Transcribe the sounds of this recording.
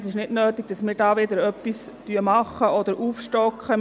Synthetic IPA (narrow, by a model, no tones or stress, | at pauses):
sɪʃnɪdnøːtɪɡ̥̚d̥ɑsmɪːɾdɑːʋɪdəɾœpːis | tyəmɑχəɔd̥əɾʔuːfʃtɔkχə